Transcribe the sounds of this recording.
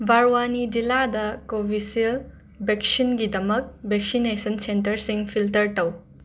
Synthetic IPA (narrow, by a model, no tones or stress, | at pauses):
bʱaɾwanid͡ʒiladɐkobʱisiɐl | beksinɡidɐmɐk̚beksinesɐnsentɐɾsiŋpʰiltɐɾtɐw